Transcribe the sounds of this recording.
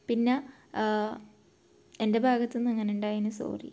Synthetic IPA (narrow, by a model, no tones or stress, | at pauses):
pinːe | ende̞bʱaːɡɐt̪ːinːɐŋːɐneuɳɖaːjinɨso̰ːrḭ